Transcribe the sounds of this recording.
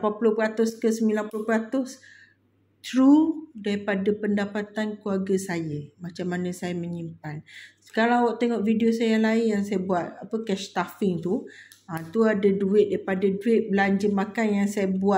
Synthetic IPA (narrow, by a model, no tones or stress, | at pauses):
lapanpulʊpəɾat̪ʊskəsəmilanpulopəɾat̪ʊs | t̪ɾudaɾipadapəndapat̪ankluarɡəsajəmat͡ʃamːanə̃sajamə̃ɲimpansə̥kalawaʔt̪eŋɔʔvidiosajəaŋlaɪnjaŋsajəbuat̪̚apəkɛʃt̪afɪŋt̪uat̪uadaduɪʔ̪̚daɾipadaduɪt̪̚bəlaɲd͡ʒəmakanjaŋsajəbua